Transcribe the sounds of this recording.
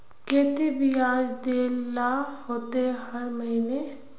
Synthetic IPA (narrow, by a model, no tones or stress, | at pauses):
keːt̪ebʱiaːd͡ʒd̪eːlːahoːt̪ehɐɾməɦine